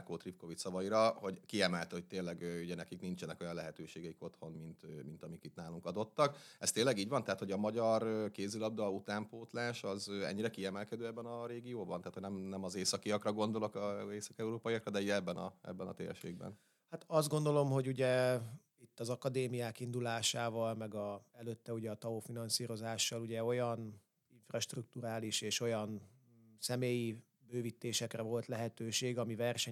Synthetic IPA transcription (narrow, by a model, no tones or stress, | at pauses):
koːt̪ripko̞vit͡ʃsɒvɒjiɾɒho̞ɟkiɛmɛlt̪ɛho̞c̚t̪eːnlːɛɡøuɟɛnɛkiknint͡ʃɛnɛko̞jɒnlɛɦɛt̪øːʃeːɡɛiko̞t̪ho̞nmint̪mint̪ɒmikit̪naːluŋkɒd̪o̞t̪ːɒkɛst̪eːnlːɛɡiːɟvɒnt̪ɛɦaːt̪ho̞ɟɒmɒɟɒrøkeːzylɒb̚d̪ɒːut̪aːmpoːt̪laːʃɒzøɛ̰ɲːiɾɛkiɛmɛlkɛd̪øːɛbːɛnɒɾeːɡijoːbɒnɛaːt̪hoɟnɛmnɛmɒzeːsɒkiɒkrɒɡo̞nd̪o̞lo̞kɒeːsɒkɛuɾoːpɒijɒkrɒd̪ɛiɛbːɛnɒ̰ɛ̰bːɛnɒ̰t̪ḛːrʃḛːɡbɛ̰n | hat̪ɒzd̪ɡo̞nd̪o̞lo̞mho̞ɟuɟɛ | it̪ːɒzɒkɒd̪eːmijaːkind̪ulaːʃaːvɒlmɛɡɒɛløt̪ːɛuɟɛɒt̪ɒoːfinɒnsiːɾo̞zaːʃːɒluɟɛo̞jɒn | iɱfrɒʃt̪ruk̚t̪uɾaːliʃeːʃo̞jɒn | sɛmeːji | bøːvit̪ːeːʃɛkrɛvo̞lt̪lɛɦɛt̪øːʃeːɡɒmivɛrʃɛ